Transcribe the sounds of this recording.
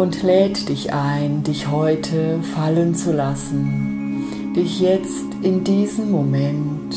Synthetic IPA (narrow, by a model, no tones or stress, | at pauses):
ʔʊntlɛːtd̥ɪçʔaɪndɪçhɔʏtʰəfalənt͡sulasn̩ | d̥ɪçjɛt͡stʔɪndiːzəmːomɛnt